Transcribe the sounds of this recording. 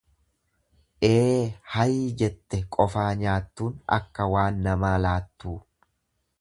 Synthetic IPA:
ʔeːhɐjiːd͡ʒɛt̪ːɛkʼɔfaːɲaːt̪ːuːnɐ̰kːɐwaːnːɐmaːlaːt̪ːuː

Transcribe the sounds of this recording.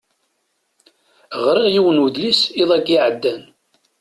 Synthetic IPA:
ʁɾˤɪʁjiwənuðlisiðˤæɡiʕəd̪ːæn

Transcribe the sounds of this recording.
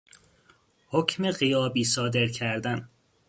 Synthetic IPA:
hocʰme̞ɢijɒːbiːsɒːd̪e̞ɾcʰæɾd̪æn

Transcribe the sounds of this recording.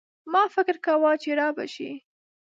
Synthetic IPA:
mɑfɪkɾkawɑt͡ʃeɾɑba̰ʃḭ

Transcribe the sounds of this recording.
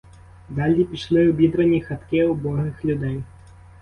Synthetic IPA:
ɡ̪alʲːipʲiʂlˠɨwbʲid̪ɾɐnʲixat̪kʲɛwbɔɣɨxlʲud̪ɛj

